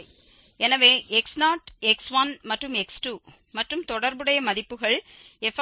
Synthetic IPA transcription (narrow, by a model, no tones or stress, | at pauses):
ɛnɐʋeːʔeksnaːʈeksʋɐnmɐʈrɯmeksʈuː | mɐʈrɯmt̪ɔɽɐɾbɯɽɐjɐmɐðipːɯɣɐɭ | ɛf